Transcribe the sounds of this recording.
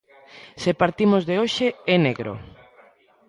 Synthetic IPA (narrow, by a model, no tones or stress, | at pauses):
sepaɾt̪imozðeoʃeeneɣɾo̰